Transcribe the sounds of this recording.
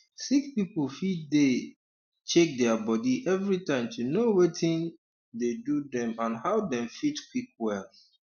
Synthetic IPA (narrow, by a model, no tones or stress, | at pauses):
sikpiplfid̚de | t͡ʃek̚dɛbɔdiʔɛvɹitãɪ̃mtʰunowetʰĩn | dedudɛ̃mãnhaʊdɛ̃mfitkwik̚wɛl